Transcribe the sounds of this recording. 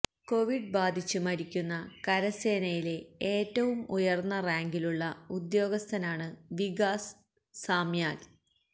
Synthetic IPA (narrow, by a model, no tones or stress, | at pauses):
ko̞ʋiɖbaːd̪ʱit͡ɕːumɐɾikʲːunːɐkɐɾɐse̞ːnɐjile̞eːtːɐʋumujɐrnːɐraːŋɡiluɭːɐud̪jo̞ːɡɐst̪ʰɐnaːɳɨʋiɡaːs | saːmjaːl